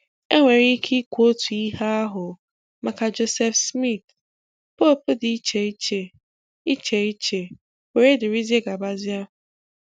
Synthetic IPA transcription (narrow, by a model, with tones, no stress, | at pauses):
e˦ŋʷe˨ɾi˦kʰi˦kʷo˦tu˨i˦ɦa˦a˦ɦʊ˨ | ma˨ka˨d͡ʒo˦se˦fsmi˦˨t | po˦˨pʊ˦dɪ˨i˦t͡ʃe˨i˦t͡ʃe˨ | i˦t͡ʃe˨i˦t͡ʃe˨ | we˨ɾe˦dɪ˨ɾi˦ze˦ɡa˨ba˦zɪ˦a˦